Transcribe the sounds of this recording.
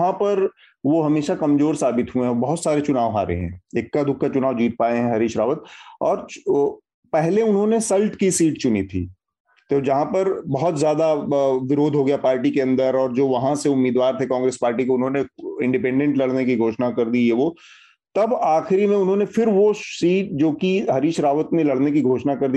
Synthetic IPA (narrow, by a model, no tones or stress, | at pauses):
ɦãpɐɾ | ʋoɦɐmeːʃakɐmzoːɾsaːbɪt̪ɦuẽɦɛbɐɦʊt̪saːɾet͡ʃʊnaːʋɦa̰ːɾḛɦɛ̰̃ːeːkːad̪ʱʊkʰːat͡ʃʊnaːʋd͡ʒiːt̪̚paːeɦɛ̃ɦɐɾiːʃɾaːʋət̪̚ɔːɾ | pɛɦleʊnɦõnesɐlʈkisiːʈt͡ʃʊnḭt̪ʰḭː | t̪ed͡ʒɐɦãpɐɾbɐɦɔt̪zjaːd̪aʋɪɾoːd̪ʱɦoɡɐjapaːɾʈikeɐ̃nd̪əɾɔːɾd͡ʒoːʋɐɦãseʊmːiːd̪ʋaːɾt̪ʰekɔ̃ːŋɡɾeːspaːɾʈikoʊnɦõneɪ̃ɳɖɪpɛ̃ːɳɖɛ̃ɳʈlɐɽnekiɡʱoːʃnakɐɾd̪ijeʋo | t̪ɐbaːxɪɾimẽʊnɦõːnefɪɾʋosiːʈ̚d͡ʒoːkiɦɐɾiːʃɾaːʋət̪nẽlɐɽnek̬iɡʱoːʃnakɐɾd̪i